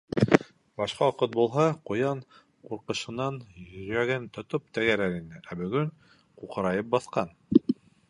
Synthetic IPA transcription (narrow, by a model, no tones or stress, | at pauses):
bɑʃqɑoqɤt̪̚bulˠɦɑqŏjɑɴ | quɾqɤ̆ɕɤ̆nɑɴjɵ̆ɾæɡɘnt̪ŏt̪op̚t̪æɡæɾæɾinɘʔæbɵ̆ɡɵɴ | quqɤ̆ɾɑjɤp̚bɑθqɑn